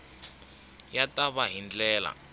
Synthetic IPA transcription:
jatʼaβaɦind͡ɮɛːla̰

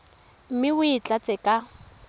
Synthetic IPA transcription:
m̩mɪʊit͡ɬʼat͡sʼɛkʼa

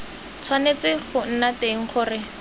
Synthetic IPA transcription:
t͡sʰwanet͡sɪχʊn̩nateŋ̩χʊːrɪ

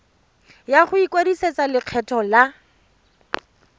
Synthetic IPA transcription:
jaχʊikʼwediset͡salɪq͡χʰɛtʰɔla

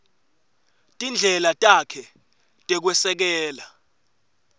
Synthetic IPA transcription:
tʼind͡ɮʱɛlatʼakʰɛ | tʼɛk̬wɛsɛk̬ɛːla

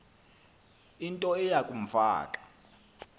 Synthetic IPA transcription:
intʼɔɛjakʼum̩fa̰ːkʼḁ

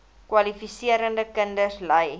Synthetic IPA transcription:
kwɐlifisiəɾəndəkəndəsləj

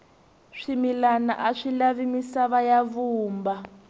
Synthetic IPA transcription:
ʂimilana̰ʔaʂilaβimisaβajaβuːmba

